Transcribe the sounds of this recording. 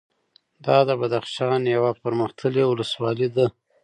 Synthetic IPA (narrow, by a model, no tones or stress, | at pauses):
d̪ɑd̪əbad̪axʃɑnjawapəɾməxt̪ʰəlewʊləswɑlid̪a